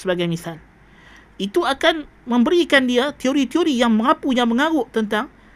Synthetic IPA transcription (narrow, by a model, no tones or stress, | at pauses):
səbaɡajmisal | it̪uakanmə̃mbəɾikandiat̪ioɾit̪ioɾijaŋməŋapujaŋməŋaɣʊʔt̪ənt̪aŋ